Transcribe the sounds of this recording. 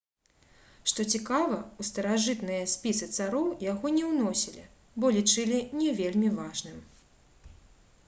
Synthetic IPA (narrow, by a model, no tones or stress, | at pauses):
ʂt̪ɔt͡sʲikavɐust̪ɐɾaʐɨt̪nɨjɐsʲpʲisɨt̪saɾɔwjaɣɔnʲɛwnɔsʲilʲḭ | bɔlʲit͡ʂɨlʲinʲɛvʲelʲmʲivaʐnɨm